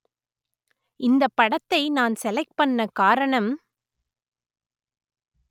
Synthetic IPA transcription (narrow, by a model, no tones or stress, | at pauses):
ɪnd̪ɐpːɐɽɐt̪ːɐɪnaːnsɛlɐɪk̚pɐɳːɐkaːɾɐɳɐm